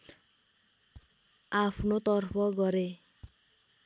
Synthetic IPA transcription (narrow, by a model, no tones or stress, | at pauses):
apʰnot̪ɔrpʰɔɡʌɾe